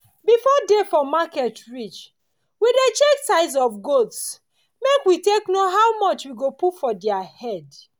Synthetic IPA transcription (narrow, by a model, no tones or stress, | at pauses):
bifɔdefɔmakɛtɹit͡ʃ | widet͡ʃeksaɪs̬ɔfɡots | mekwiteknoɦawmɔt͡ʃwiɡopufɔdɛahɛd